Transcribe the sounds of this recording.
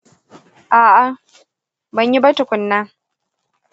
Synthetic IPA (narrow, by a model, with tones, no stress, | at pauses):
ʔaː˨ʔa˨ | bɐ˦˨ɲji˦bɐ˦tʊ˨kʷʊ˨nːaː˦